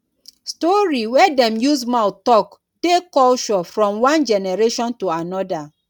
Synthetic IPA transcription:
stɔɹiwɛdɛ̃mjusmaʊtɔk | dekɔlt͡ʃɔfɹɔ̃mwãnd͡ʒɛnɛɹeʃɔ̃ntuanɔda

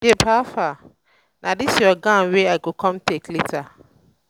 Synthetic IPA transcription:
jepʰafa | nʔãdɪsiɔɡãweaɡokʰɔ̃mtʰeklitʰa

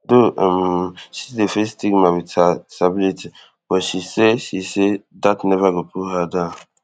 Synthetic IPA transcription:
domʃisdefestiɡmawithasabilitʰi | bɔʃiseʃisedatnɛvaɡopʰuhadã

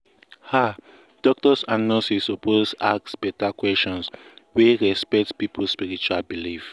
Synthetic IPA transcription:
ha | d̥ɔk̚tɔsannɔsisoposaksbɛtakwɛstɔ̃nsweɹɛspɛk̚tpipuspiɹit͡ʃualbilif

